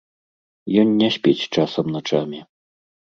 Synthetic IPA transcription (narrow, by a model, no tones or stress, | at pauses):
jɔnːʲɛsʲpʲet͡sʲt͡ʂasɐmnat͡ʂamʲi